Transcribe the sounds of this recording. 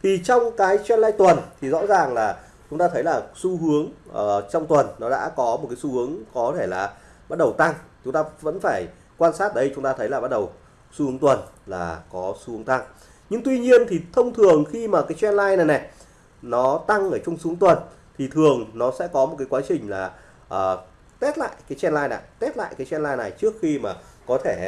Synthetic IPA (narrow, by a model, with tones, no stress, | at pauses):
t̪ʰi˨˩t͡ɕɔ˧wŋ͡mkaː˨˦jt͡ɕwɛ˧nlaː˧jt̪wə˨˩nt̪ʰi˨˩zɔ̰˧˥zaː˨˩ŋlaː˨˩ | t͡ɕʊ˨˦ŋ͡mt̪aː˧t̪ʰə˨˦jlaː˨˩su˧ɦɨ˨˦əŋʔəː˨˩t͡ɕɔ˧wŋ͡mt̪wə˨˩nːɔ˨˦ɗa̰ː˧˥kɔ˨˦mo˨˩kaː˨˦jsu˧hɨ˨˦əŋkɔ˨˦t̪ʰe˧˩laː˨˩ | ɓa˦˥t̚ɗə˨˩wt̪a˧ŋt͡ɕʊ˨˦ŋ͡mt̪aː˧və̰˧˥nfaː˧˩j | kwaː˧nsaː˦˥t̚ɗə˨˦jt͡ɕʊ˨˦ŋ͡mt̪aː˧t̪ʰə˨˦jlaː˨˩ɓa˦˥ɗə˨˩w | su˧hɨ˨˦əŋt̪wə˨˩nla̰ː˨˩kɔ˨˦su˨˧˦əŋt̪a˧ŋ | ɲɨ˧ŋt̪wi˧ɲi˧ənt̪ʰi˨˩t̪ʰə˧wŋ͡mt̪ʰɨ˨˩əŋxi˧maː˨˩kaː˨˦jt͡ɕɛ˧nlaː˧jna˨˩jnɛ˨˩ | nɔ˨˦t̪a˧ŋʔəː˧˩t͡ɕʊ˧wŋ͡msu˨˦əŋt̪wə˨˩n | t̪ʰi˨˩t̪ʰɨ˨˩əŋnɔ˨˦sɛ̰˧˥kɔ˨˦mo˨˩t̚kaː˨˦kwaː˨˦t͡ɕï˨˩ŋ̟laː˨˩ | ʔəː˨˩ | t̪ɛ˦˥t̚la̰ː˧˨jkaː˨˦jt͡ɕɛ˧nlaː˧jna̰˨˩t̪ɛ˦˥t̚la̰ː˧˨jkaː˨˦jt͡ɕɛ˧nlaː˧jna˨˩jt͡ɕɨ˦˥ək̚xi˧maː˨˩ | kɔ˨˦t̪ʰe˧˩